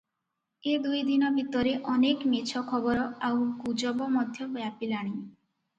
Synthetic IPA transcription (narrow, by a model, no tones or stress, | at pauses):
ed̪ujd̪inɔbʱit̪ɔɾeʔɔnekmet͡ʃʰɔkʰɔbɔɾɔawɡud͡ʒɔbɔmɔd̪ʱjɔbjapilaɽ̃i